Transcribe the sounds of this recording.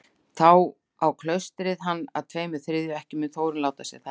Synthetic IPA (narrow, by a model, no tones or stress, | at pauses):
θaw | awkʰlœɥst̪ɾɪðɦanːa̰ðt̪ʰveːjmɪðθɾɪðjʏɛhcɪmɛθowɾɪnlaːwt̪asjɛ̰̥θa